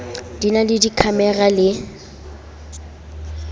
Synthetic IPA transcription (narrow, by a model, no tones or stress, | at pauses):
d̥inalɪdikʰamɛɣalɪ